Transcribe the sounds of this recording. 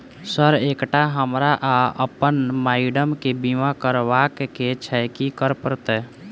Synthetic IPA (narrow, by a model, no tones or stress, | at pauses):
səɾeːkʈaɦəmɾaʔaəpənmaːɪɖəmkebimakəɾwakket͡ʃʰɛjkikəɾpəɾt̪ɛ